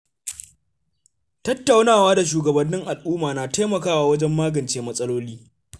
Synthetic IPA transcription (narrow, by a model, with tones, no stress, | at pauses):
tɐ˦tːa˨wnaː˦˨waː˦da˨ʃuː˨ɡɐ˨bɐ˨nːɪ˦ŋʔa˨lʔuː˦maː˨naː˨ta˦mɐ˨kaː˦waː˦wɐ˦d͡ʒɛ˦mːaː˦ɡɐ˨nt͡ʃeː˦mɐ˦sʼɐ˦loː˦liː˦